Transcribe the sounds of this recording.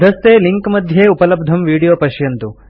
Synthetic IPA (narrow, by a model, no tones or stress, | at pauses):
d̪ʱɐst̪eːliŋkmɐd̪ʱjeːupɐlɐb̚d̪ʱɐmʋiːɽijoːpɐʃjɐnt̪u